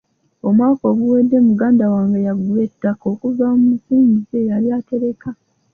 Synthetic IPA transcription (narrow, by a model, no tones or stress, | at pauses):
o̞mwaːko̞ɡuwedːe̞muɡaːndawaːŋɡejaɡuwetːako̞kuvamumusiːɲizejaɾiaːte̞ɾe̞kʰa